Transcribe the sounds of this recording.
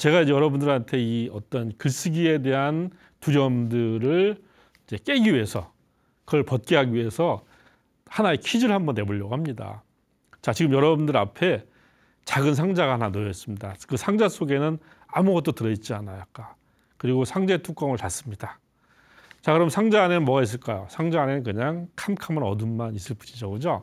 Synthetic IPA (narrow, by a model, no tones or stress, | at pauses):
t͡ɕe̞ɣaid͡ʑjʌɾʌbundɯɾantʰe̞iʌt͈ʌnkɯs͈ɯɡie̞de̞ɦan | tuɾjʌmdɯɾɯɭ | id͡ʑe̞k͈e̞ɡiɥiɦe̞sʰʌ | kɯʌɭpʌt̚k͈eɦaɡiɥiɦe̞sʰʌ | hanae̞kʰid͡ʑɯɭhambʌnːe̞boɭːʌɡoɦamɲida̰ | t͡ɕat͡ɕiɡɯmjʌɾʌbundɯɾapʰe̞ | t͡ɕaɡɯnsʰaŋd͡ʑaɡahananojʌs͈ɯmɲidakɯsʰaŋd͡ʑas͈ʰoɡe̞nɯn | amuɡʌt̚t͈otɯɾʌit̚t͡ɕ͈ianajak͈a | kɯɾiɡosʰaŋd͡ʑe̞tʰuk͈ʌŋɯɭpas͈ɯmɲida | t͡ɕakɯɾʌmsʰaŋd͡ʑaːne̞nɯnmwʌɡais̬͈ɯɭk͈ajosʰaŋd͡ʑaane̞nɯnkɯɲaŋkʰamkʰamɯnʌdunmanis͈ɯɭp͈u̥ɲid͡ʑʌɡud͡ʑo